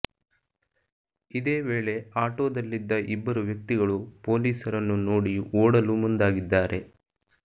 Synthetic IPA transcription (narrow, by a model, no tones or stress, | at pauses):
id̪e̞ːʋe̞ːɭe̞aːʈo̞ːd̪ɐlːid̪ːɐʔibːɐɾuʋjɐk̚t̪iɡɐɭupo̞ːliːsɐɾɐnːunoːɽiʔoːɽɐlumund̪aːɡid̪ːaːɾʔe̞